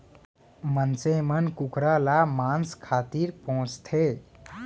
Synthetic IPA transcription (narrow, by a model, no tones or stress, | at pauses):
mənsemənkukɾalamanskʰat̪iɾpəɦũt͡st̪ʰe